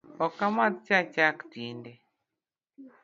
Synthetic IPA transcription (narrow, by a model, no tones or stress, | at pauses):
ɔkamat̪̚t͡ʃat͡ʃaktindɛ